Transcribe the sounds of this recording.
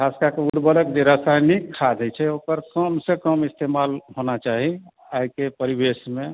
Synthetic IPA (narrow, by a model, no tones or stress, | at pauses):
askakeuɾbələkd͡ʒeɾasajnikʰːad̪ʱət͡ʃʰɛokəɾkəmsekəmist̪emalɦonat͡ʃaɦi | ajkepəɾibesmẽ